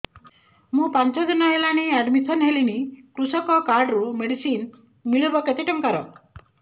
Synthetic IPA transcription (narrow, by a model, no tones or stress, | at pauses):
mũpant͡ʃɔd͡ʒɔnɔɦelaɽ̃iaɖmitʰɔnɦelinikɾusɔkɔkaɾɖɾumeɽisin | miɭubɔket̪iʈɔmkaɾɔ